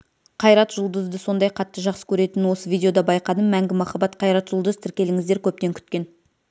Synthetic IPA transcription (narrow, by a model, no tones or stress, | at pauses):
qʰɑjɾɑt̪ʒʊlˠd̪əzd̪əso̞nd̪ɑjqʰɑt̪ːəʒɑqsə̥kʲʰɵɾe̞t̪ɪnwo̞səvʲijdʲeo̞d̪ɑbɑjqɑd̪əmmæŋɡʲɪmɑχɑbɑt̪qʰɑjɾɑt̪ʒʊlˠd̪əzt̪ʰɪɾkʲe̞lɪŋɪzd̪e̞ɾkʲʰɵp̚t̪e̞ŋkʲʰʏ̥t̪̚kʲe̞n